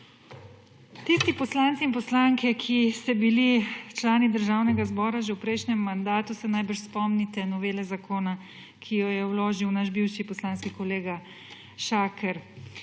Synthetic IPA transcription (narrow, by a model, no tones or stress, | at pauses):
t̪ist̪ipɔslant̪siːnpɔslaŋkɛkʰist̪ɛbilit͡ʃlaːnid̪əɾʒaːwnɛɡazbɔːɾaʒɛwpɾɛjʃnɛmːand̪aːt̪usɛnajbəɾʃspɔmnit̪ɛnɔʋeːlɛzakoːna | kʰijɔjɛwloːʒiwnaʃbiwʃipɔslaːnskikɔleːɡa | ʃaːkʰɛɾ